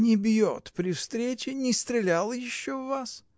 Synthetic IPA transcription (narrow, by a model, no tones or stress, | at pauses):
nʲɪbʲjo̰t̪pɾʲɪfst̪ɾʲet͡ɕɪnʲɪst̪ɾʲɪlʲalˠjɪɕːovːas